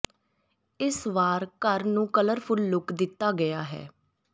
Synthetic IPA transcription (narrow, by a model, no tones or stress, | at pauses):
ɪsʋaːɾkəɾnũːkələɾpʰʊlːʊkd̪ɪt̪ːaːɡəjaːɦɛ̰ː